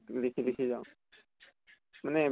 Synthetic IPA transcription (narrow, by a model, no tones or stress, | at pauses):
lɪkʰilɪkʰiːd͡ʒaõ | mənẽ